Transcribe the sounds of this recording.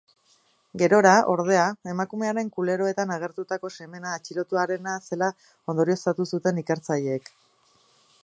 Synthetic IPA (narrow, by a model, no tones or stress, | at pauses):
ɡe̞ɾo̞ɾaʔo̞ɾð̞e̞ae̞makume̞aɾe̞ŋkule̞ɾo̞e̞t̪anaɣ̞e̞ɾt̪ut̪ako̞seme̞naːt͡ʃiɾo̞t̪uaɾe̞nase̞la | o̞nd̪o̞ɾio̞sat̪usut̪e̞nike̞ɾt͡saʎe̞ːk